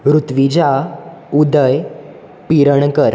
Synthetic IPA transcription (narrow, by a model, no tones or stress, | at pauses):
ɾut̪ʋid͡ʑaud̪əj | piɾəɳkəɾ